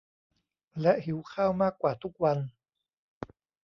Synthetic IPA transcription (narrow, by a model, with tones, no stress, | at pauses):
lɛ˦˥ʔhi˨˩˦wkʰaː˥˩wmaː˥˩kːwaː˨˩t̪ʰu˦˥k̚wa˧n